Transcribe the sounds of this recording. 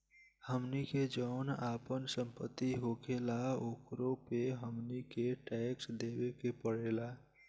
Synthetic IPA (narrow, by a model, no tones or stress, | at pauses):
həmniked͡ʒəːnapənsəmpət̪ːiɦokʰelaokɾopeɦəmnikeʈɛksd̪ebekepəɽela